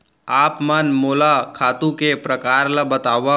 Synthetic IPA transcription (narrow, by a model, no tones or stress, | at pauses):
aːpmanmoːlakʰaːt̪ũkepɾəkaːɾlabət̪aːʋa